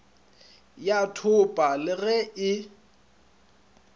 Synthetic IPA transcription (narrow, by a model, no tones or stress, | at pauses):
jatʰʊpʼalɪɣɛʔɪ